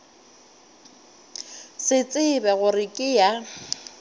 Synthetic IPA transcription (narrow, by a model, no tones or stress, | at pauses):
sɪt͡sʼɪbɛɣʊrɪkʼɪja